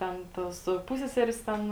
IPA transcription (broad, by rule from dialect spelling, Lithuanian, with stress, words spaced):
ˈtʲɛn ˈtoːs ˈpʊsʲsʲɛsʲɛrʲeːs ˈtʲɛn